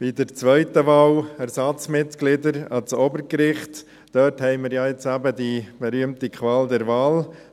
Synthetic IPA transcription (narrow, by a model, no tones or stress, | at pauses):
b̥idəɾt͡sʋœʏtəʋɑːlæɾsɑt͡smɪt̪klɪdəɾɑt͡sobəɾkɾɪχt | d̥œːthɛɪməɾjɑjet͡sæbədib̥ɛɾyəmtikʰʋɑːld̪ɛɾvɑːl